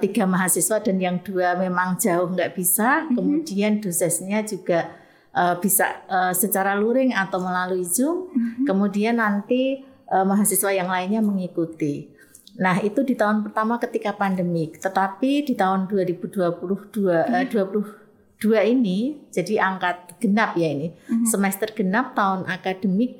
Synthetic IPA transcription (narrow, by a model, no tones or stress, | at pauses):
t̪iɡa̤maɦasiswadanjaŋd̥uamemaŋd͡ʒaʊhŋɡaʔb̥isakəmud̥iand̥osɛsɲad͡ʒuɡ̥aʔ | ʔəb̥isa̰ʔəsət͡ʃaɾaluɾɪŋat̪awməlaluid͡ʒʊŋkəmudianːant̪iʔəmaɦasiswajaŋlaɪnɲaməŋikut̪i | naɦit̪udit̪aʊnpərt̪amakət̪ikapandəmɪt̪ət̪apidit̪aʊnduaɾib̥uduapulʊhd̥uaəd̥uapulʊh | d̥uainid͡ʒadiaŋkat̪̚ɡ̥ənap̚jainisəmɛst̪ərɡ̥ənap̚t̪aʊnʔakad̥əmɪk̚